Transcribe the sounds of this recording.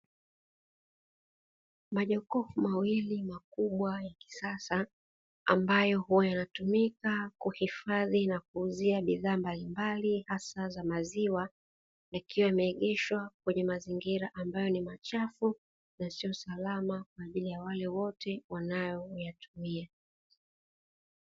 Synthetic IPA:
maʄɔkɔfumawilimakuɓwajaki̥sasa | a̰mbajɔhuajanatumikakuhifaðinak̚uːziaɓiðaːmbalimbalihasazamaziwa | jakʰiwaamɛːɠɛʃwak̚wɛɲɛmaziŋɡiɾaʔambajɔnimat͡ʃafu | nasiɔsalamak̚waːʄilijawalɛwɔtʰɛwanajɔjatʰumia

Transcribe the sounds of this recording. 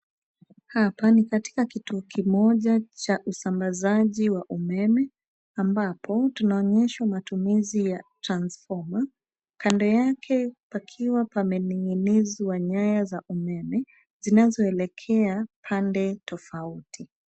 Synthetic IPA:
hapanikati̥kakituɔkʰimɔʄat͡ʃaʔusambazaʄiwaʔumɛmɛ | ambapʰɔtunaɔɲɛʃwamatumizijatɾansfɔma | kandɔjakʰɛpakʰiwapamɛniŋɡiniziwaɲajazaʔumɛmɛ | zinazɔɛlɛkʰɛapʰandɛtʰɔfautʰi

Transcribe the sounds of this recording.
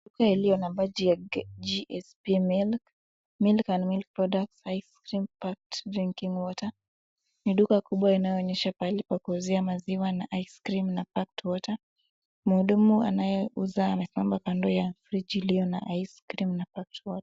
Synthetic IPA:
ɗukailijɔnambad͡ʒjad͡ʒiʔɛspimilk | milkanmilk̚pɾɔɗaksajskɾimpak̚tɾiŋkiŋwɔta | niɗukakuɓwainajɔːɲɛʃapalɛpakuuziamaziwanaʔajskɾimnapak̚twɔta | muhuɗumua̰najɛʔuzaːmɛsimambakandɔjafɾid͡ʒilijɔna̰ʔajskɾimnapak̚twɔtḁ

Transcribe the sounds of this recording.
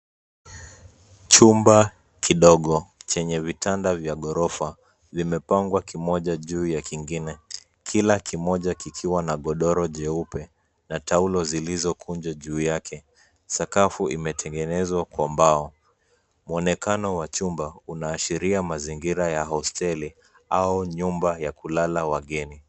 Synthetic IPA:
t͡ʃumba | kʰiɗɔɠɔt͡ʃɛɲɛvitʰandavjaɠɔɾɔfa | vimɛpaŋɡwakimɔʄaʄuːjakiŋɡinɛ | kʰilakʰimɔʄakikʰiwanaɠɔɗɔɾɔʄɛupɛ | nataulɔzilizɔkʰund͡ʒaʄuːjakʰɛ | sakafuimɛtʰɛŋɡɛnɛzwakwambaɔ | muɔnɛkanɔwat͡ʃumbaunaːʃiɾiamaziŋɡiɾajaɦɔstɛli | auɲumbajakulalawaɠɛni

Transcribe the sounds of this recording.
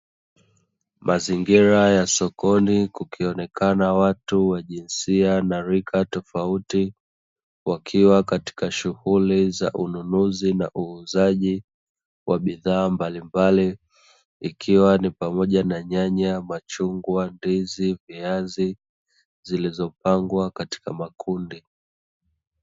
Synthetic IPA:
mʔaziŋɡiɾajasɔkɔnikukʰiɔnɛkʰanawatuwaʄinsianaɾikʰatɔfauti | wakʰiwakati̥kaʃuhuliza̰ʔununuzina̰ʔuːzaʄi | wʔaɓiðaːmbalimbali | ikʰiwanipamɔʄanaɲaɲamat͡ʃuŋɡwandiziviazi | zilizɔp̚aŋɡwakati̥kamakʰundi

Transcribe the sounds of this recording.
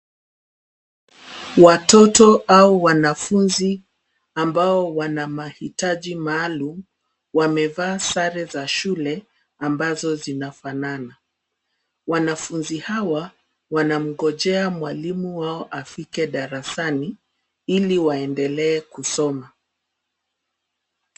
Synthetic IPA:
watɔtɔauwanafunzi | ambaɔwanamahitaʄimaːlum | wamɛvaːsaɾɛzaʃulɛ | ambazɔzinafanana | wanafunzihawa | wanam̩ɠɔʄɛamwalimuwaɔʔafikɛɗaɾasani | iliwaɛndɛlɛːkusɔma

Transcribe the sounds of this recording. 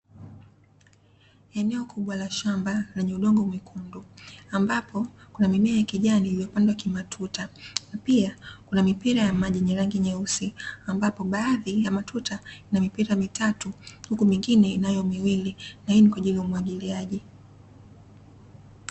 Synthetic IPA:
ɛnɛɔkʰuɓwalaʃambalɛɲɛuɗɔŋɡɔmikʰunduambapɔkunamimiajakiʄaniijɛpandwakimatʰutanapiakunamipiɾajamaʄiɲɛɾaŋɡiɲausiambapɔɓaːðijamatutainamipiɾamitʰatuhukumiŋɡinɛinajɔmiwilinahinikwaʄiliaumwaɠiliaʄi

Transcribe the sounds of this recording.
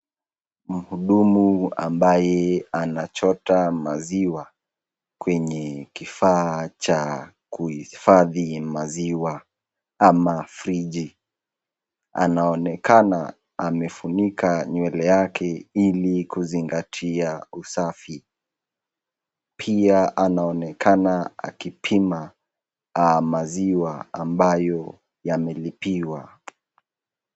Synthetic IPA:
m̩huɗumua̰mbajɛanat͡ʃɔtamaziwa | kwɛɲɛkifaːt͡ʃa | kuhifaðimaziwa | amafɾid͡ʒi | a̰naɔnɛkana | amɛfunikʰaɲwɛlɛjakʰɛilikuziŋɡatʰiausafi | pʰiaʔanaɔnɛkʰanaa̰kipʰima | maziwaambajɔ | jamɛlipiwa

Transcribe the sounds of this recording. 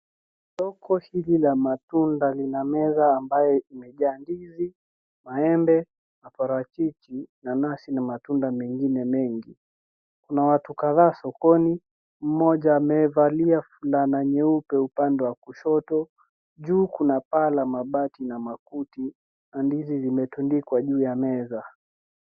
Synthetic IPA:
sɔkʰɔhililamatundalinamɛzaːmbajɛimɛʄaːndizi | maɛmbɛ | mapaɾat͡ʃit͡ʃinanasinamatundamɛŋɡinɛmɛŋɡi | kunawatukaðaːsɔkɔni | m̩mɔʄaːmɛvaliafulanaɲɛupɛupandɛwakuʃɔtɔ | ʄuːkunapalamaɓatinamakuti | nandizizimɛtundikwaʄuːjamɛza

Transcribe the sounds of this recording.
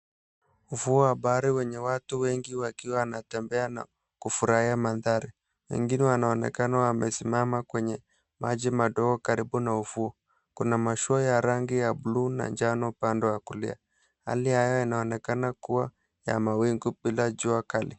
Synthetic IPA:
uvuɔabaɾiwɛɲɛwatuwɛŋɡiwakiwanatɛmbɛana̰ | kufuɾaiamaðaɾi | wɛ̰ŋɡinɛwanaɔnɛ̰kanawamɛsimamakwɛɲɛ | mad͡ʒimaɗɔɡɔkaɾibunaufuɔ | kunamaʃuɔjaɾaŋɡijabuluna̰ɲd͡ʒanɔpandɔjakulḭa | ha̰lihajɔinaɔnɛkanakuwa | ja̰mawiŋɡubilad͡ʒuakali

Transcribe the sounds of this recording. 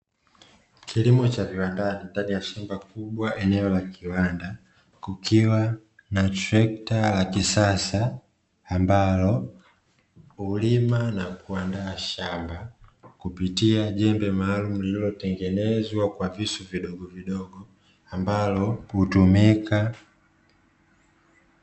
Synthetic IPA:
kʰilimut͡ʃaviwandanindanijaʃambakuɓwaʔɛnɛɔlakiwanda | kukʰiwa | natɾɛk̚talakisasaː | mbalɔ | ulimanakuandaːʃambakupitiaʄɛmbɛmaːlumulililɔtɛŋɡɛnɛzwakwavisuviɗɔɡɔviɗɔɡɔ | ambalɔhutumika

